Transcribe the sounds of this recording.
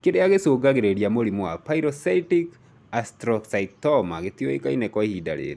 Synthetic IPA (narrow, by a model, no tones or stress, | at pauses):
kedeaɡesoɡaɡeɾedijamoɾimoapaiɾɔsaitik | astɾɔksait̪ɔmaɡet̪ioḛkainɛkɔihida̰lḛ